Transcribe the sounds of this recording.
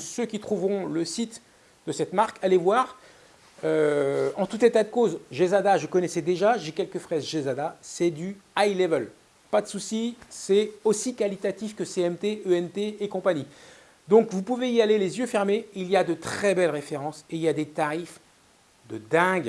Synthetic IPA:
søkʲit̪χuvʁɔ̃ləsit̪ | d̪̥əsɛt̪maʁkʰalevwaːʁ | øɑ̃t̪ut̪et̪ad̪əkozʒezad̪aʒəkɔnɛsɛd̪eʒaʒekʲɛlkəfχɛzʒezad̪asɛd̪yajlɛvəl | pad̪əsusisɛosikalit̪at̪ifkəseɛmt̪eøɛmt̪eːkɔ̃paɲi | d̪ɔ̃kvupuveialelezjøfɛʁmeiljad̪ət̪χɛbɛlʁefeʁɑ̃seiljad̪et̪aʁif | d̪əd̪ɛ̃ɡ

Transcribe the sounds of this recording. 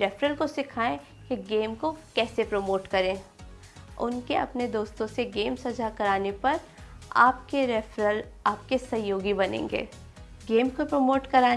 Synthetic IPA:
ɾɛfɾəlkosɪkʰaːẽ | keɡeːmkokɛːsepɾoːmoːʈkɐɾẽː | ʊ̰nkeɐ̰pned̪oːst̪õseɡeːmsɐd͡ʒakɐɾaːnepɐɾ | a̰ːp̚keɾɛfɾəlaːp̚kesɐjoːɡibɐnḛ̃ːŋɡḛː | ɡeːmkopɾomoːʈkɐɾaː

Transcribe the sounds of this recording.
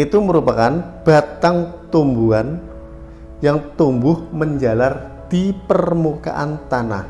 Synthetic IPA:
it̪uməɾupakanb̥a̤t̪aŋt̪umbuan | jaŋt̪umbʊhməɲd͡ʒalar | d̪̥ipərmuka̰ʔant̪ana̰h

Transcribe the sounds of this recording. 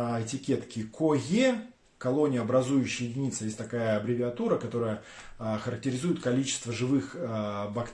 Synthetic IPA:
ɪtʲɪkʲe̞t̪kʲɪkʰoje | kɐlˠo̞nʲɪjəɐbɾɐzujʉɕːɪjɪdʲɪnʲit̪səjesʲtʲt̪ɐkajəɐbɾʲɪvʲɪɐt̪uɾəkɐt̪o̞ɾəjə | xəɾək̚tʲɪɾʲɪzujɪt̪kɐlʲit͡ɕɪ̥st̪vəʐɨvɨxbɐkt̪

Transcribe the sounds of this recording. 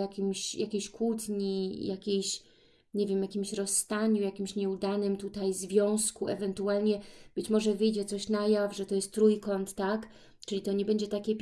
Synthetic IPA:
jakʲimɕjakʲeɕkwut̪ɲijakʲejɕ | ɲɛvʲjɛmjakʲimɕɾɔsːt̪aɲujakʲimɕɲɛud̪anɘmt̪ut̪ajzvʲjɔ̃w̃skuɛvɛnt̪ualɲɛb̥ɘt͡ɕmɔʐɛvɘjd͡ʑɛt̪sɔɕnajavʐɛt̪ɔjɛst̪t̪ːɾujkɔnt̪ːak | t͡ʂɘlʲit̪ɔɲɛbɛɲd͡ʑɛt̪akʲɛpʲ

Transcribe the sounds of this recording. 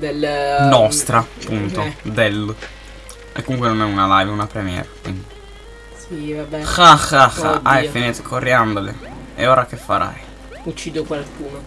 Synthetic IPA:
d̪elnnɔst̪ɾapunt̪od̪el | ḛkːomuŋkwenonɛunalajvunapɾemjɛ̰ːɾakwind̪i | ivabɛxaxaxa̰ʔajfinit̪ekʰorːjand̪ole | ḛɔːɾakefːaɾa̰j | ut͡ʃːiːd̪okwalkuːno

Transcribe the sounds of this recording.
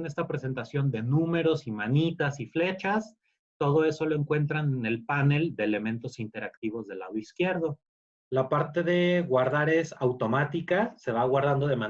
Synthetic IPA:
ne̞st̪apɾe̞se̞nt̪asjo̞nd̪e̞nũme̞ɾo̞simanit̪asifle̞t͡ʃas | t̪o̞ð̞o̞e̞so̞lo̞e̞ŋkwe̞nt̪ɾanene̞lpane̞ld̪e̞ːle̞mẽ̞nt̪o̞sint̪e̞ɾakt̪iβ̞o̞zðe̞la̰ðo̞iskje̞ɾðo̞ | lapaɾt̪e̞ðe̞ɣwaɾðaɾe̞sawt̪o̞mat̪ikase̞βaɣwaɾð̞and̪o̞ð̞e̞mã

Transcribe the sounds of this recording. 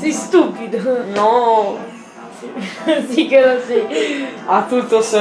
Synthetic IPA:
sist̪upid̪onɔ | isikelosi | at̪ːut̪ːose

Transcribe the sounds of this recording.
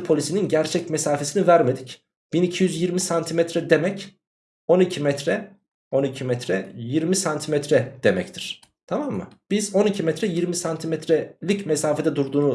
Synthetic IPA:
pʰo̞lʲisininɟæɾt͡ʃʰɛcmesaːfe̞sinivæɾme̞d̪ic | b̥inicʰijyzjiɾmisant̪ʰimɛt̪ɾɛd̪emɛc | o̞nicʰimɛt̪ɾɛ | o̞nicʰimɛt̪ʰɾɛjiɾmisant̪ʰimɛt̪ʰɾɛd̪̥e̞mɛct̪ʰiɾ̥ | t̪ʰamamːɯ̰b̥izo̞nicʰimɛt̪ɾɛjiɾmisant̪ʰimɛt̪ʰɾɛlʲicmesaːfed̪ɛd̪uɾd̪uːnu

